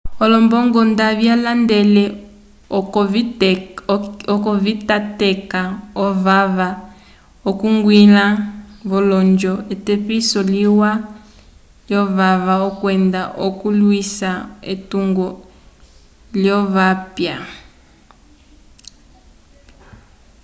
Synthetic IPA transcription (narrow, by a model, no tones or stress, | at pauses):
ɔlɔmbɔŋɡɔndaβjalandɛlɛ | ɔkɔvitatɛkaɔvava | ɔkuŋɡwilaβɔlɔnd͡ʒɔetɛpisɔliwa | ljɔβaβaɔkwɛndaʔokulwisaetuŋɡɔ | ljɔβapja